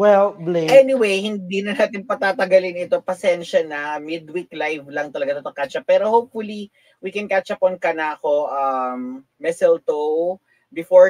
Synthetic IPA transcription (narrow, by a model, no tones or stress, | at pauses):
wɛlbleɛnɪwejhɪnd̪iːnɐnaːt̪ɪnpɐt̪aːt̪ɐɡɐlɪnɪt̪o̞pɐsɛnʃɐnɐmɪd̪wiklajvlɐŋt̪ɐlɐɡat̪ɐt̪okat͡ʃɐpɛɾo̞howpfʊli | wikɛnkat͡ʃɐponkɐnɐʔɐko̞ʔɐmː | ɛsɛlt̪o | bɪfo